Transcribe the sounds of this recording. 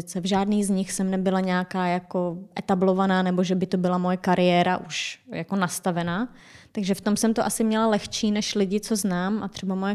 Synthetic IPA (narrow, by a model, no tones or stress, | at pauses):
t͡sɛvʒaːdniːzɲɪxsɛmnɛbɪlaɲɛːkaːjako̞ʔɛt̪ablo̞vanaːnɛbo̞ʒɛbɪt̪o̞bɪlamojɛkaɾɪjɛːɾaʔuʃjako̞nast̪avɛnaː | t̪aɡʒɛft̪o̞msɛmt̪oʔasɪmɲɛlalɛxt͡ʃiːnɛʃlɪɟɪt͡so̞znaːmʔa̰t̪r̥ɛbamojɛ